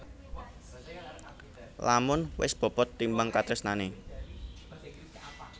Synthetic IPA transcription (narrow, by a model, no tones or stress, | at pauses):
lamʊnwɪ̰sb̥ɔ̤pɔt̪ːimbaŋkat̪ɾɪsnane